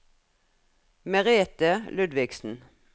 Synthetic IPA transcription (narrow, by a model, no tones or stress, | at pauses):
mɛʁeːt̪əlʉd̪ʋɪɡsn̩